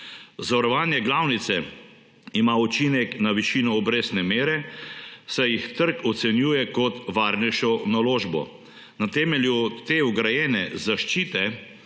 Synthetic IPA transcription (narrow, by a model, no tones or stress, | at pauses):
zaʋɐɾɔʋaːnjɛɡlaːwnit̪sɛ | imaːut͡ʃinɛknaʋiʃinɔːbɾeːsnɛmeːɾɛ | sɛjixt̪əɾkɔt̪sɛnjuːjɛkɔt̪ʋaːɾnɛjʃɔnaloːʒbɔ̰ | nat̪ɛːmɛljut̪eɔɡɾajɛːnɛzaʃt͡ʃiːt̪ɛ